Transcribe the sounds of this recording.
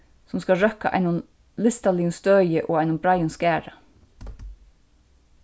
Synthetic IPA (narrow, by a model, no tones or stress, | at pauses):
sɔmskɑlɹœka̰ʔɑ̰ɪnʊn | lɪst̪alɪːʊnst̪œːjəʔoːaɪnʊmbɾajʊnskæːɹɑ